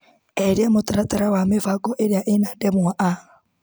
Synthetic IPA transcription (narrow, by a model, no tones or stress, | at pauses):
eɾjamotaɾataɾawamefaɡɔʔeɾjaʔenadɛmuaʔa